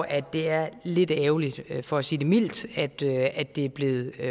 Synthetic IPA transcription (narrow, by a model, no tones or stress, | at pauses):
ʔæd̥e̝æɐle̝d̥ɛːʊlid̥fɒæsiːd̥e̝mil̰d̥æd̥øæd̥e̝æɐb̥le̝ːð̩ˠ